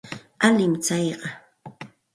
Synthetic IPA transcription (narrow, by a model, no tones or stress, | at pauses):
alɪmt͡sɑjɢɑ